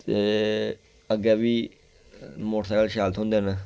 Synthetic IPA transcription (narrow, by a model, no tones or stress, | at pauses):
t̪eː | əɡɛːʋiː | moːʈsɛːkəlʃaːlt̪ɦõnd̪eːnə